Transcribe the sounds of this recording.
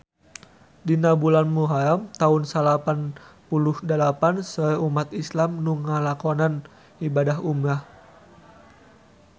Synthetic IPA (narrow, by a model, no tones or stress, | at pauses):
dinabulanmuɦaamt̪aʊnsalapanpuluhdəlapansɔɛumat̪islamnuŋalakonan | ibadaɦumah